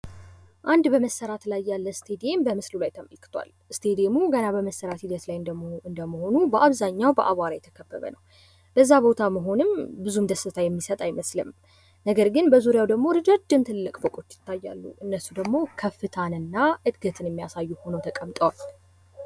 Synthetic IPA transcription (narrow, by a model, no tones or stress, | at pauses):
ʔand̪bəməsːəɾat̪lajːalːəst̪ʰe̞d̪ije̞mbəmɨslulajt̪ʰəməlkʰɨ̥t̪ʰwʷa̰l | ɨst̪ʰe̞d̪iemuɡənabəməsːəɾat̪hid̪ət̪lajɨnd̪əmoɨnd̪əməho̞nubəʔaβzaɲːawbə̰ʔaβaɾajɛt̪ʰəkʰəbːə̰βə̰nəw | b̥əzːabo̞t̪ʰaməɦo̞nɨmbɨzumd̪əsɨt̪ʰajɛmːisət̪ʼajməslɨ̰m | nəɡəɾɡɨnbəzuɾijawd̪əɡmo̞ɾɨd͡ʒad͡ʒɨmt̪ʰɨlːɨkʼbəkʼo̞t͡ʃːjɪ̥t̪ʰːajːa̰lːṵʔɨnːəsːud̪əɡmo̞kʰəfːɨt̪ʰanɨnːaʔɨd̪ɡət̪ʰɨnjɛmːijasajːuho̞nəwt̪ʰəkʼəmt̪ʼəwal